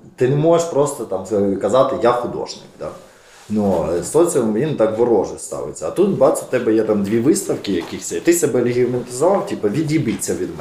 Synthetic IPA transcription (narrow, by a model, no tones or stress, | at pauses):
t̪ɪnɛmɔʒeʃpɾɔst̪ɐt̪ɑmkɐzɑt̪ɪjaxʊd̪ɔ̰ʒnɪ̰kd̪a̰ | nust̪ɔt͡sʲɛjint̪ɑkʋɔɾɔʒɛst̪ɑ̰ʋɪ̰t͡sʲːɐɐt̪ut̪bɑt͡s̪ʲʊt̪ɛbɛjɛt̪ɑmd̪ʲʋʲiʋɪst̪ɐwkʲɪjɐkixsʲɛt̪ɪsɛbɛlʲɪɦʲimɐnʲt̪ɪzɔʋɑwtʲipɐʋʲid̪ʲjibit͡sʲːɐʋʲid̪mɛ